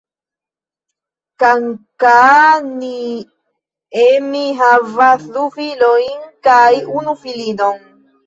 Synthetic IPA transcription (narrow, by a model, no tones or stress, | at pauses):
kaŋkani | emiɦavaθufiloiŋkaiʔunufilinoŋ